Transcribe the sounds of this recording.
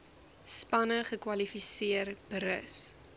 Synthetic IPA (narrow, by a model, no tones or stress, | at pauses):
spɐnəχəkwɐlifisiərbəɾə̰s